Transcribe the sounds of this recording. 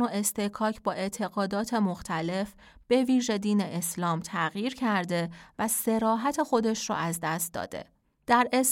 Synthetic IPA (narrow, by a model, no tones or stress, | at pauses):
oe̞st̪ekʰɒːcʰbɒːe̞ʔt̪ʰe̞ɣɒːd̪ɒːt̪ʰe̞moxt̪ʰæle̞f | b̥e̞viːʒe̞d̪iːne̞ʔeslɒːmt̪ʰæɣjiːɾcʰæɾd̪e̞væse̞ɾɒːɦæt̪ʰe̞xo̞d̪e̞ʃɾɔ̰ʔæzd̪æst̪̚d̪ɒ̰ːd̪̥ḛ | d̪̥æɾes